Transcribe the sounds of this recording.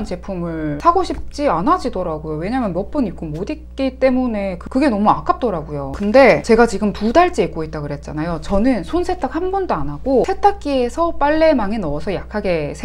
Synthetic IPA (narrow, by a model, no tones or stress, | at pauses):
nt͡ɕe̞pʰumɯɭsʰaɡoɕʰip̚t͡ɕ͈ianad͡ʑidoɾaɡojowe̞ɲamjʌnmʌp͈ɯnip̚k͈omodik͈it͈e̞mune̞kɯkɯɡe̞nʌmuak͈ap̚t͈oɾaɡujokɯnde̞t͡ɕe̞ɡat͡ɕiɡɯmpudaɭt͡ɕ͈eik͈oit̚t͈akɯɾe̞t̚t͡ɕ͈a̰najot͡ɕʌnɯnsʰonsʰe̞tʰak̚hambʌndoanaɡ̥osʰe̞tʰak̚k͈iesʰʌp͈aɭːe̞maŋe̞nʌʌsʰʌjakʰaɡe̞sʰe